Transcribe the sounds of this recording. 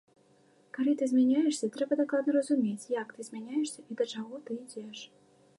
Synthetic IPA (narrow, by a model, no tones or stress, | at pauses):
kaɾɨt̪ɨzʲmʲɛnʲajɛʂsʲɐt̪ɾɛbɐd̪aklˠad̪nərəzumʲet͡sʲjakt̪ɨzmʲænʲajɛʂsʲɐʔid̪ɐt͡ʂaɣɔt̪ɨid͡zʲeʂ